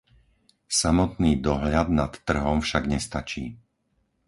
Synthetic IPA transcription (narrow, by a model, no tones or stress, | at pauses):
samɔt̪niːd̪ɔɦʎad̪nat̪ːr̩ɦɔmfʃaɡɲɛst̪at͡ʃiː